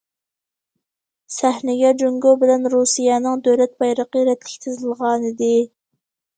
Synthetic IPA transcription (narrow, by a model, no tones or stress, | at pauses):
sɛhnɪɡʲɛd͡ʒoŋɡobɪlɛnɾusijɛnɨŋd̪øwlɛt̪̚bɑjɾəqəɾɛt̪lɪkʲt̪ʰɨzɨlˠʁɑːnɨd̪ɨ